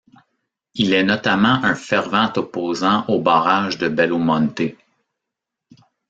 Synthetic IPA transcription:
ilɛnɔt̪amɑ̃ʔə̃fɛʁvɑ̃t̪ɔpoːzɑ̃ʔobaːʁaʒd̪əbɛlomɑ̃nt̪e

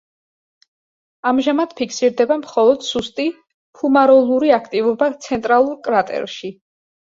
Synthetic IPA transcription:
amʒamad̪̥pʰikʰsiɾd̪ɛbamχɔlˠɔd̪̥sust̪ʼi | pʰumaɾɔlˠuɾiakʰt̪ʼivɔbat̪sʰɛnt̪ʼɾalˠuɾkʼɾat̪ʼɛ̰ɾʃi

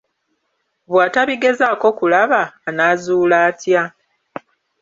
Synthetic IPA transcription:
βwaːtaβiɡe̞zaːko̞kulaβaːnazuːlaːtja

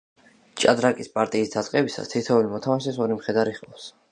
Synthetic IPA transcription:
t͡ʃʼad̪ɾakʼispʼaɾt̪ʼiːsd̪at̪sʼqʼɛbisa̰st̪ʰit̪ʰɛulimɔt̪ʰamaʃɛsɔɾimχɛd̪aɾiχʼɔfs

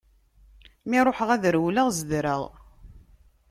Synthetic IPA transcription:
miɾˤoħəʁæðɾwləʁzəd̪ɾəʁ

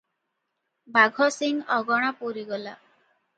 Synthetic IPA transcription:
baɡʱɔsiŋɔɡɔɽ̃apoɾiɡɔla

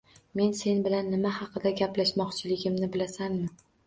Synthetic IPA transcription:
me̞nse̞nbɪlanːɪmahɑqʰɨd̪aɡʲaplaʃmɒqt͡ʃʰɪlɪɡʲɪmnɪbɪlasanmɪ

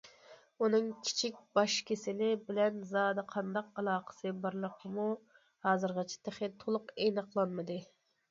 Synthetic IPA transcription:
unɨŋkʲʰi̥t͡ʃʰik̚ʲbɑʃkʲʰesɪnɪbɪlɛnzɑːd̪ɨqʰɑnd̪ɑqɑlˠɑːqʰə̥sɨbɑɾlˠəqʰːəmu | hɑːzɨɾʁɑt͡ʃʰɪ̥t̪ʰeχɪt̪ʰolˠʊqenəqlˠɑnmɨd̪ɨ

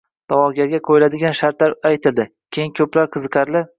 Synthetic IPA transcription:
d̪̥ɒwɒɡʲaɾɡʲaqʰojɪlad̪ɪɡʲanʃaɾt̪laɾajt̪ʰɪld̪ɪ | kʲʰejɪŋkʲʰɵplaɾqʰɨzɨqʰɑɾlɪ

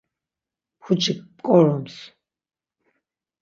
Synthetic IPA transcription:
pxut͡ʃʰikkʼɔɾɔms

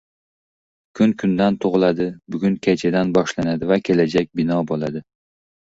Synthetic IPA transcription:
kʰʊnkʰʊnd̪ant̪ʰoʁlˠad̪ɪbʊɡʲʊnkʲʰat͡ʃʰad̪anbɒʃlanad̪ɪvakʲʰelad͡ʒak̚ʲbɪnɒbolˠad̪ɪ

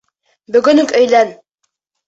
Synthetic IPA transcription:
bɵ̆ɡɵ̆nɵkɵ̆jlæn

